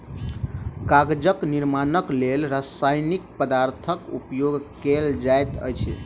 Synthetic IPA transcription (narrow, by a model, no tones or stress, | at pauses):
kaɡd͡ʒəkniɾmanəklelɾasajnik̚pəd̪aɾt̪ʰəkṵpjoɡkeld͡ʒajt̪ə̰jt͡ʃʰɛ